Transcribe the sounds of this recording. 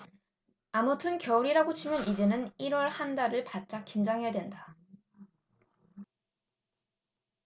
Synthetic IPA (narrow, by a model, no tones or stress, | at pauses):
amʌtʰɯnkjʌuɾiɾaɡot͡ɕʰimjʌnid͡ʑe̞nɯniɾwʌɭhandaɾɯɭpat̚t͡ɕ͈ak͈ind͡ʑaŋɦejadwe̞nda